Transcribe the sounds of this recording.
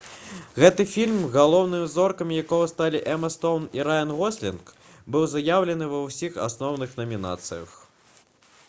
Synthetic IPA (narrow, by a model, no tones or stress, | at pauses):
ɣɛt̪ɨfʲilʲmɣalˠɔwn̪ɨmʲizɔrkɐmʲijakɔɣɐst̪alʲiʔɛmɐst̪ɔwniɾajɐnɣɔsʲlʲḭnk | bɨwzajawlʲɛn̪ɨvɐwsʲixa̰snɔwnɨxnɐmʲina̰t̪sɨjɐ̰x